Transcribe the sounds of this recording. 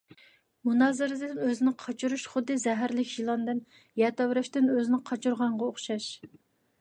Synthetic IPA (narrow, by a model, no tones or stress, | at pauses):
munɑːzɨɾɨd̪ɨɨnøzɪnɪqʰɑt͡ʃʰuɾuʃχʊd̪ːɨzɛɦæɾlɪkʲjilˠɑnd̪ɨn | jɛt̪ɑwɾɛʃt̪ɪnøzɪnɪqʰɑt͡ʃʰuɾʁɑɴʁɑoχʃɑʃ